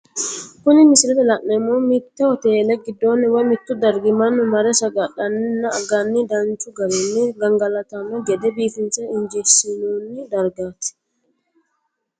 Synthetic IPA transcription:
kʊnɪmɪsɪlɛt̪ɛlɐʔnɛmumɪt̪ːɛɔt̪eːlɛɡɪd̪ːoːnːɛwɐjmɪt̪ːʊd̪ɐɾɡɪmɐnːʊmɐɾɛsɐɡɐɗɐnːɪnːɐɡɐnːɪd̪ɐnt͡ʃʊɡɐɾɛnːɪɡɐŋɡɐlɐt̪ɐnɐɡɛd̪ɛbiːfɪnsɐɪɲd͡ʒɛsɪnuːnːɪd̪ɐɾɡaːt̪ɪ̥

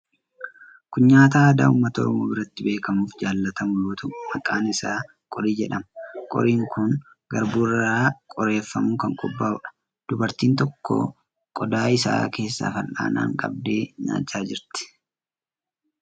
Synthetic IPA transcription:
kʊɲːaːt̪aːd̪a̰ːʊmːɐt̪ɔ̰ɾɔmoːbɪɾɐt̪ːɪbe̞ːkɐmuːfd͡ʒaːlːɐt̪ɐmʊluːt̪ʊmɐkʼaːnɪsaː | kʼɔɾiːd͡ʒɛᶑɐmɐkʼɔ̰ɾiːŋkʊŋ | ɡɐɾbuːrakʼɔɾe̞ːfːɐmukɐŋkʼɔbːaːʊᶑɐ̥ | d̪̥ʊbɐɾt̪iːnt̪ɔkːɔ̰ | kʼɔd̪aːɪsa̰ːke̞ːsːa̰ːfɐlʔa̰ːna̰ːŋkʼɐ̰b̚d̪eːɲa̰ːt͡ʃːaːd͡ʒɪɾt̪ɪ̥

